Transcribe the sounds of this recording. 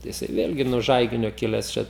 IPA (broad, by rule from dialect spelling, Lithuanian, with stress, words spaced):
jɪˈsɐɪ ˈʋʲeːlʲɡʲɪ nuɔ ˈʒɐɪɡʲɪnʲoː ˈkʲɪlʲɛs t͡ʃʲɛ